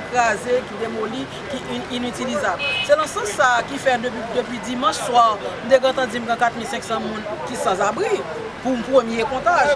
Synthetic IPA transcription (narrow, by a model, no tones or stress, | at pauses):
kazekid̪emoli | kiʔinytilizablsɛnãsɐ̃sːakifɛdd̪øpɥidimɑ̃ʃswaʁm̩t̪ekãt̪ãd͡zim̩ɡãkat̪̚milsɛ̃ksɑ̃mũnkisɑ̃zabʁi | pum̩pʁəmjekɔ̃t̪aʒ